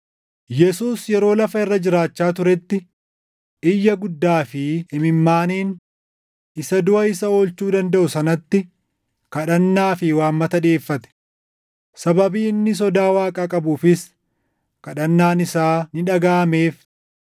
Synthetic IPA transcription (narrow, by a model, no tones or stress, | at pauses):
jɛsuːsjɛɾo̞ːlɐfɐɪrːɐd͡ʒɪɾaːt͡ʃːaːt̪̬ʊɾɛt̪ːɪ | ʔɪjːɐɡʊd̪ːaːfɪɪmɪmːaːniːn | ɪsɐd̪ʊʔɐɪsɐo̞ːlt͡ʃuːd̪ɐnd̪ɐʔʊsɐnɐt̪ːɪ | kɐᶑɐnːaːfɪwaːmːɐt̪ɐᶑeːfːɐt̪ɛ̥ | sɐbɐbiːɪnːɪs̬ɔd̪aːwaːkʼaːkʼɐbuːfɪs | kɐᶑɐnːaːnɪsaːnɪᶑɐɡaːmeːf